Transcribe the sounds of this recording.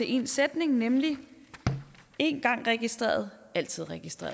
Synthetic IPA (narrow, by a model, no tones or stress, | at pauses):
e̝ʔe̝nsed̥ne̝ŋnemli | e̝nɡ̥ɑ̈ŋ̰ʁɛɡ̥isd̥ʁḛːɐð̩ˠæl̰t͡sʰið̞̰ˠʁɛɡ̥isd̥ʁḛːɐ